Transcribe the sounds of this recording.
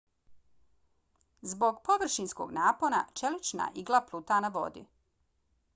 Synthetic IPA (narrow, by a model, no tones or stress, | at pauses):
zbo̞ɡpoʋr̩ʃinsko̞̰ɡnaːpo̞na̰t͡ʃelit͡ʃna̰ʔiɡlˠaplut̪anaʋo̞̰d̪ḭ